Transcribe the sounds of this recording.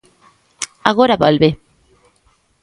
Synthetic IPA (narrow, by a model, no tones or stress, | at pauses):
aɣoɾaβolβe